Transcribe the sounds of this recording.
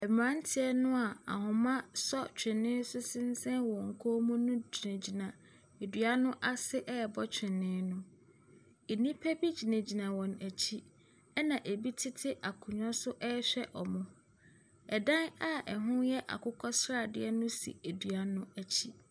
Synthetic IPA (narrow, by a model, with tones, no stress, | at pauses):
ɛ˨mã˨˦n̩˦tʰɪ˦ɛ˦nʊ̃˦a˨a̰˨hʊ̃˨mã˦sɔ˦t͡ɕᶣɪ̃˨nɪ̃˦sʊ˦sɪ̃˦n̩˦sɛ̃˦nwɔ̃˨ŋ̩˨kʰo˦mũ˦nʊ̃˦d͡ʑi˨nẽ˨d͡ʑi˨nã˨ | e˨dɥa˦nʊ̃˦ʔa˦sɪ˦ʔɛ˦˨bɔ˦t͡ɕᶣɪ̃˨nːɪ̃˦nʊ̃˦ | e˨nĩ˦pʰæ˦bi˦d͡ʑi˨nẽ˨d͡ʑi˨nã˨wɔ̃˨næ˨t͡ɕʰi˦ | ɛ˦nã˨ʔe˨bi˦tʰɪ˦tʰɪ˦ʔa˨kʰʊ̃˨ɲᶣ˦ã˦sʊ˦ʔɛ˦ɕᶣɛ˦ʔɔ˨mʊ̃˦ | ɛ˨dã˦na˦ɛ˨ɦʊ̃˦jɛ˦ʔa̰˨kʰʊ˦kʰɔ˦sɾa˦˨dɪ̰˦ɛ˦nʊ̃˦sḭ˨e˨dɥa˦nʊ̃˦æ˨t͡ɕʰi˦